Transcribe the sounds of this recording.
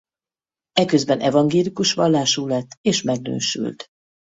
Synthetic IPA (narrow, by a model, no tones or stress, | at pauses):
ɛkø̞zbɛnʔɛvɒŋɡeːlikuʃʋɒlːaːʃuːlɛt̪ːeːʃmɛɡ̚nø̰ːʃy̰lt̪